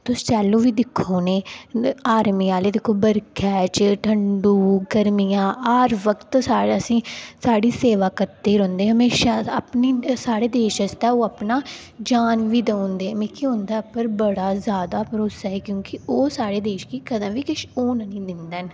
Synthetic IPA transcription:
t̪ʊst͡ʃɛːlõːʋiːd̪ɪkʰːoːneːaːɾmiːaːleːd̪ɪkʰːoːbəɾkʰɛːt͡ʃʈʰəɳɖuːɡəɾmijãːaːɾʋəkt̪saːɽəsĩːsaːɽiːseːʋaːkəɾt̪eːɾɔ̃ːnd̪eːɦəmeːʃaːapniːsaːɽeːd̪eːʃəst̪ɛːoːaːpnaː | d͡ʒaːnʋiːd̪əʊ̃nd̪eːmẽːkʰiʊ̃nd̪aːpəɾbəɽaːzjaːd̪aːpɾoːsaːɦɛːkjõːkɪoːsaːɽeːd̪eːʃkiːkəd̪ə̃mʋiːkɪʃoːnnĩːd̪ɪnd̪n

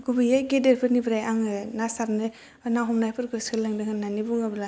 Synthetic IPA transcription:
ɡubɯjaɡedeɾpʰɯɾnibɾajaŋɯnasaɾnɯ | naɦɔmnajpʰɯɾɡɯskʰɯlaŋdɯŋanːanibuŋabla

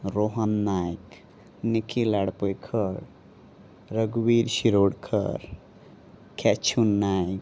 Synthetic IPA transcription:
ɾoɦənːajk | nikʰilaɽpəjkʰəɽ | ɾəɡwiɾsiɾoɽkʰə̰ɾ | kʰɛt͡ʃʰunːajk̚

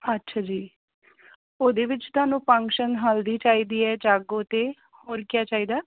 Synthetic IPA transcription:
ətːʃʰaːd͡ʒiː | oːd̪eːʋɪt͡ʃt̪ʊaːnũːpə̃ŋkʃənɦəld̪iːt͡ʃaːiːd̪iːɛːd͡ʒaːɡoːt̪eː | hoːɾkɪjaːt͡ʃaːiːd̪aː

